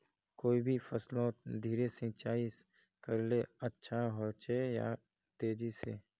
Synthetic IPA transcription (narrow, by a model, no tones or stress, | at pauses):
koːibʱifəslõd̪ʱiːɾesĩt͡ʃaːis | kəɾleətːʃʰaɦot͡ʃeja̰ | t̪eːd͡ʒisḛː